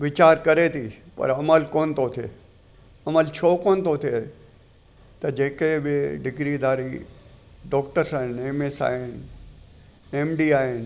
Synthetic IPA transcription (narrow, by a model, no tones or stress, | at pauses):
ʋɪt͡ʃaːɾkɐɾet̪ʰipɐ̰ɾɐməlkoːnt̪ot̪ʰḛ | ɐməlt͡ʃʰoːkoːnt̪ot̪ʰie | t̪ɐd͡ʒeːkebɪɖɪɡɾid̪aːɾi | ɖɔːkʈəɾsaːɦɪneːmesa̰ːɦɪn | eːmɖiaːɦɪn